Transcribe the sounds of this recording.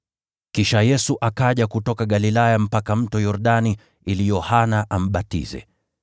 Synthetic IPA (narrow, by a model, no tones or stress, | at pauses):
kiʃajɛsuʔakaʄakutɔkaɠalilajam̩pakam̩tɔjɔɾɗani | ilijɔhanaʔam̩ɓatḭzɛ̰